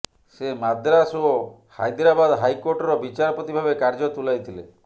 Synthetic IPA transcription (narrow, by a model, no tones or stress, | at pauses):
semad̪ɾaso | ha̰jd̪ɾabad̪ɦajkoɾʈɔɾɔbit͡ʃaɾɔpɾɔt̪ibʱabekaɾd͡ʒɔt̪ulajt̪ʰilḛ